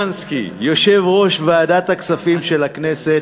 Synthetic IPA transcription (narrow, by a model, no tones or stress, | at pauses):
nskḭjo̞ʃe̞vʁo̞ʃveaːd̪at̪haksafimʃelakne̞se̞t